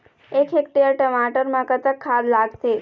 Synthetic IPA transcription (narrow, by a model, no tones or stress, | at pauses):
ekʰekʈeəɾʈəmaʈəɾmãkət̪əkʰːad̪laɡt̪e